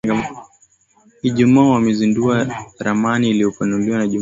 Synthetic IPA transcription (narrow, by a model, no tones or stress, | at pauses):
iʄumaːwamɛzinduaɾamaniːliɔpanuliwanaʄu